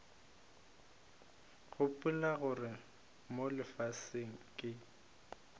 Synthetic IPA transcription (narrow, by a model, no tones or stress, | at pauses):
ɣʊpʼʊlaɣʊrɪ | molɪfaseŋ̩kʼɪ